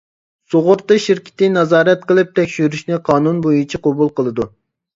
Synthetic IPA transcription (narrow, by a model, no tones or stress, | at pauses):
soʁʊɾt̪ːɨʃiɾkʲʰɪ̥t̪ɪnɑzɑːɾɛt̪qəlˠɨp̚t̪ʰɛkʲʃyɾyʃnɪqʰɑːnunbojut͡ʃʰiqʰobulˠqəlˠɨd̪u